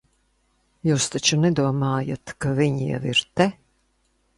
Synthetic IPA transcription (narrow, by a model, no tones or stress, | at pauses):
juːst̪at͡ʃunɛd̪uɔmaːjat̪kaviɲjɛ̰viɾt̪ɛ